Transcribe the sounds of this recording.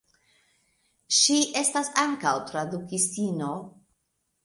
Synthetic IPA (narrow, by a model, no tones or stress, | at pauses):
ʃiʔe̞stasaŋkawtɾadukistino̞